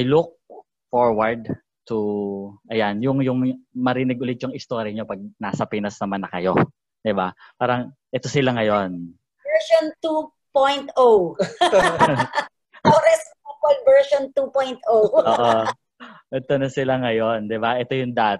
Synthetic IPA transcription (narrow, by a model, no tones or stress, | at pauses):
ʔjluk̚ | foɹwɐɹd̪̚ | t̪ʊʔɐjanjʊŋjʊŋmɐɾiːnɪɡ̚ʔʊlɪd̪̚t͡ʃʊŋɪst̪oɾɪɲopɐɡ̚naːsɐpinɐsnɐmanːɐkɐjo̞ | d̪̥ɪba | paːɾɐŋʔɛt̪o̞sɪlaŋɐjo̞n | ɛɹʃont̪u | pojnt̪ʔow | oɾɛs | ɐpolvɛɹʃont̪upojnt̪owʔoːʔo | ʔɛt̪onɐsɪlaŋɐjo̞nd̪ɪbaʔɛt̪o̞jʊŋd̪aːt̪